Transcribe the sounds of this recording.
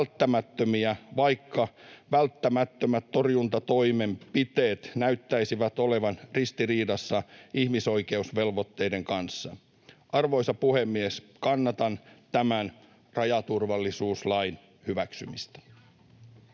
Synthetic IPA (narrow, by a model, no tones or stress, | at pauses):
lt̪ːæmæt̪ːømiæʋɑjkːɑʋælt̪ːæmæt̪ːømæt̪to̞rjunt̪ɑt̪o̞jme̞mpit̪e̞ːt̪næyt̪ːæisiʋæt̪ole̞ʋɑnrist̪iriːdɑsːɑihmiso̞jke̞usʋe̞lʋo̞t̪ːe̞jde̞ŋkɑnsːɑ̰ | ʔɑrʋo̞jsɑpuhe̞mːies | kɑnːɑt̪ɑnt̪æmæn | rɑjɑt̪urʋɑlːisuːslɑjn | hyʋæksymist̪æ̥